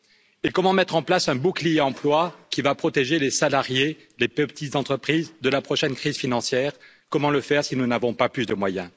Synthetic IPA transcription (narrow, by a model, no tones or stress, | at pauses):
ekɔmɑ̃mɛt̪χɑ̃plasɛ̃buklijeɑ̃plwakʲivapχɔt̪eʒelesalaʁje | lepəpt̪it̪d̪ɑ̃t̪χəpχizd̪əlapχɔʃɛnkχizfinɑ̃sjɛːʁ | kɔmɑ̃ləfɛʁsinunavɔ̃paplysd̪əmwajɛ̃